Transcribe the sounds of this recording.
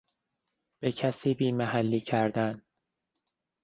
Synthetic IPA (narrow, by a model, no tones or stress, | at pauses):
b̥e̞cʰæsiːbiːmæhælːiːcʰæɾd̪æn